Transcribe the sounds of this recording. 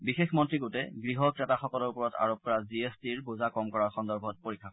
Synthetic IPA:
bixexmɔntɹiɡotɛɡɹiɦɔkɛtaxɔkɔlɔɹpɔɹɔta̰ɹop̚kɔɹaziestiɹbuzakɔmkɔɹaɹxɔndɔɹbʱɔt̚poɹikʰːa

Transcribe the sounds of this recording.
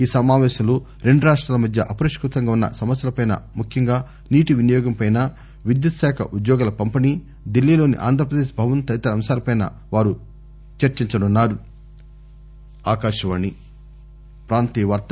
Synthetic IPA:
iːsɐmaːʋɛːʃɐlu | ɾe̞ɳɖuɾaːʂʈɾaːlɐmɐd̪ʱjɐ̰ʔɐpɐɾiʂkɾut̪ɐŋɡaːunːɐ̰sɐmɐsjɐlɐpɐjnɐ̰mukʰjɐŋɡaː | niːʈiʋinɐjɔːɡɐmpɐjnɐ | ʋid̪jɐt̪ɐsɛːkʰɐ̰ʔud̪jɔːɡɐlɐpɐmpɐniː | d̪ilːiːlo̞ːnḭʔa̰ːnd̪ʱɐp̬ɾɐd̪eːʂbʱɐʋɐnt̪ɐjt̪ɐɾɐmsaːɾɐpɐjnɐ̰ | ʋaːɾu | t͡ʃɐɾt͡ʃiɲt͡ʃɐnunːaːɾu | aːkaːʃɐʋɐnːi | pɾaːnt̪iʋɐɾt̪ɐ

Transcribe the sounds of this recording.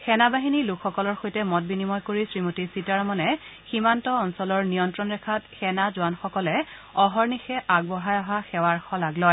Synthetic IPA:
xɛnabaɦinilʊkxɔkɔlɔɹxojtɛmɔt̚binimɔjkoɹisɹimotisitaɹɔmɔnɛximantɔɔnsɔlɔɹnijɔntɹɔnɹɛkʰatxɛnazʊanxɔkɔlɛɔɦɔɹnixɛʔaɡ̚bɔɦajɔɦaxɛwaɹxɔlaɡlɔj

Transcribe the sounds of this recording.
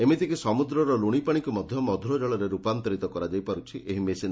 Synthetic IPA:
emet̪ikisɔmud̪ɾɔɾɔluɽ̃ipaɽ̃ikumɔd̪ʱjɔmɔd̪ʱɾɔd͡ʒɔɭɔɾeɾupant̪ɔɾit̪ɔkɔɾad͡ʒajpaɾut͡ʃʰiʔeɦimesin

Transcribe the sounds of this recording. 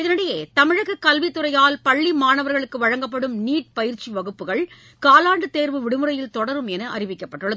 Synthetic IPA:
ɪðɐnɯɽɐjeːt̪ɐmɪɻɐɣɯkːɐlʋit̪ːɯɾɐjaːlpɐɭːimaːnɐʋɐɾɣɐɭɯkːɯʋɐɻɐŋɡɐpːɐɽɯmniːʈ̚pɐjɪɾt͡ʃiʋɐɣɯpːɯɣɐɭ | kaːlaːɳɖɯt̪ːeːɾʋɯʋɪɽɯmɯɾɐjɪlt̪ɔɽɐɾɯmɛnɐʔɐ̰rɪʋɪkːɐpːɐʈːɯɭːɐðɯ

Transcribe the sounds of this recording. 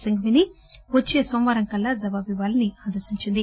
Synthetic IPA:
sɐŋɡʋiniʋɐt͡ʃːeːsomʋɐːɾɐŋkɐlːad͡ʒɐbaːbiʋaːlɐniaːd̪ɐɾsiɲt͡ʃind̪i

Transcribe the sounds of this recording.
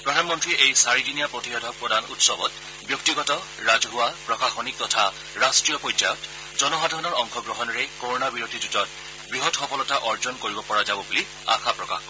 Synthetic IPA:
pɹɔdʱanmɔntɹiejsaɹidinijapɹotiɔdʱɔk̚pɔdʱanṵtsɔbɔt | bjɔktiɡɔtɔ | ɹazɔɦʊwapɹɔkaxɔnik̚tɔtʰa | ɹastɹijɔpɔjza̰jɔt | zɔnɔɦadʱɔɹɔnɔɹɔŋxʰɔɡɹɔɦɔnɔɹɛkoɹɔnabiɹodʱid͡ʒutɔt̚ | bɹiɦɔtxɔpɔlɔtaʔɔɹzɔnkoɹibɔpɔɹazabɔbuli | a̰xʰapɹɔka̰x

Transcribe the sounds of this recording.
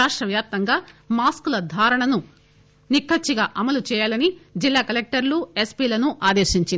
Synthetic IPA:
aːʂʈɾɐʋjaːp̚t̪ɐŋɡaːmaːskulɐd̪ʱaːɾɐɳɐnu | nikʰːɐt͡ʃːiɡaːʔɐmɐlut͡ʃɛːjaːlɐnid͡ʒilːaːkɐlek̚ʈɐɾlue̞spiːlɐnuʔaːd̪eːʃiɲt͡ʃin

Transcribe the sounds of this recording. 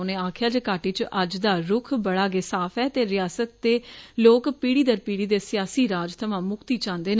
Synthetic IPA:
nẽːaːkʰɪjaːd͡ʒəkaːʈiːt͡ʃʔəd͡ʒd̪aːɾʊkʰbəɽaːɡesaːfʰɛːt̪eːɾɪjaːsət̪ːeːloːkpiːɽiːd̪əɾpiːɽiːd̪eːsɪjaːsiːɾaːd͡ʒt̪ʰəʋãːmʊkt̪iːt͡ʃãːnd̪eːn

